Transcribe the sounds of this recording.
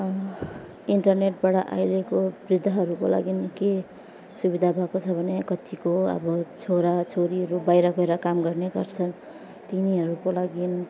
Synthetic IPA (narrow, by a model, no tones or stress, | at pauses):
iɳʈʌrneʈ̚baɽʌʔa̰jɾʌkobrid̪ʱːʌɦʌɾukola̰ɡinke | subid̪ʱabʱʌkot͡sʰʌbʱʌnekʌt̪ikoʌ̰bʌt͡sʰoɾat͡sʰoɾiɦʌɾubajɾʌkʌeɾʌkamɡʌrneɡʌrt͡sʰʌn | t̪iniɦʌɾukolaɡin